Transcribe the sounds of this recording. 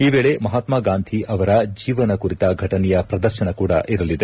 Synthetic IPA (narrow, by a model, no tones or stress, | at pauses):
iːʋeːɭe̞mɐɦaːt̪maːɡaːnd̪ʰʱiʔɐʋɐɾɐd͡ʒiːʋɐnɐkuɾit̪ɐɡʱɐʈɐnɛjɐpɾɐd̪ɐɾʃɐnɐkuːɽɐ̰ʔiɾɐlid̪e